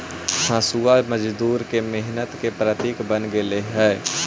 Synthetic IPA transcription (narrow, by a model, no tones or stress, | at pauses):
hãːsuamɐd͡ʒd̪uːɾkemeɦnət̪kepɾət̪iːkbənɡeleɦɛː